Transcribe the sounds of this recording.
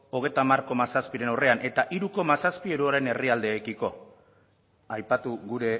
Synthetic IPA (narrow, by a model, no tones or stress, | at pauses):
o̞ɣ̞e̞jt̪amarko̞masaspiɾe̞nawre̞anʔe̞t̪aʔiɾuko̞masaspieɾuoɾe̞ne̞riald̪e̞ːkiko̞ | ajpat̪uɣuɾe̞